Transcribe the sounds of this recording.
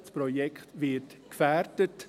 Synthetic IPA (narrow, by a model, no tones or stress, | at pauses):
spɾɔjɛkχtʋɪtkfæɾdət